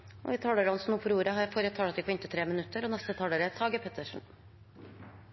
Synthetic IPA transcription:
ɔ̰iːt̪ʰɑːɽəɾɑnsnuːpʰɔɾjuːɾəɦɑɾjæfoːɾət̪ʰɑːɽt̪ɪkʰɛnt̪ət̪ʰɾeːmɪnʉt̪ːəɾɔnɛst̪ət̪ʰɑːɽəɾət̪ʰɑːɡəpʰɛt̪ʰəʂɳ̩

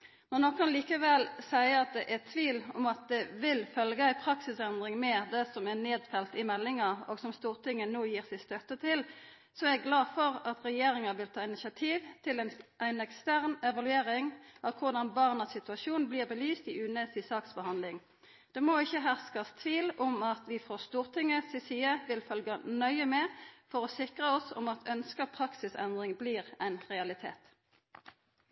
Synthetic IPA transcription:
nɔʁnokʰːɑnliːkəʋɛlsæɪəɑt̪̚d̪ɛʔæt̪ʰʋiːlɔmɑt̪̚d̪ɛʋɪlfœlɡəæɪpʰʁɑksɪsɛnd̪ʁɪŋmɛd̪ɛsɔmɛneːd̪fɛlt̪ɪmɛlːɪŋɑoːɡsɔmst̪uːʁt̪ʰɪŋːənoːjiːʁsæɪst̪œt̪ːət̪ʰɪl | sɔɛɡɡlɑːfɔʁɑt̪ʁɛjeːɾɪŋɑʋɪlt̪ʰɑːɪnɪsɑt̪ʰiːʋt̪ʰɪlɛnʔæɪnɛkst̪æʁnɛʋɑlʉeːʁɪŋɑʋkʰʊʁd̪ɑnbɑʁnəsɪt̪ʉɑʃuːnbliːʁbəlyːst̪iʔʉːnəsiːsɑːksbəhɑnd̪lɪŋ | d̪̥ɛːmoɪçːəɦæʁskɑst̪ʰʋiːlɔmɑt̪ʰʋɪfoːst̪uːʁt̪ʰɪŋːəsɪsiːəʋɪlfœlɡənœʏəmɛfɔʁɔsɪkʁəɔsɔ̰mɑt̪ʰœnskəpʰʁɑksɪsɛ̰nd̪ʁɪŋbliːʁæɪnʁɛɑlɪt̪ʰḛːt̪

